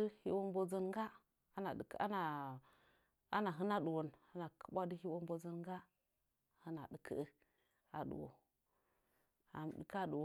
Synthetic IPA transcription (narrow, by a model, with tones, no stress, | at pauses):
ɨ˦hḭ˦wo˦mbo˦zə˦n˦ɡa˦ | a˦na˨˦a˦na˨ | a˦na˨ɦɨ˦na˦du˨wo˨na˦na˨kʰə̥˦bʷa˦dɨ˦hi˦wo˦mbo˦zə˦nɡa˦˨ | hɨ˦na˨dɨ˨kʰə̰˦ə˦ | a˨ɗṵ˨wo̰˨ | a̰˨mɗɨ˨ka˦ɗu˨wo˨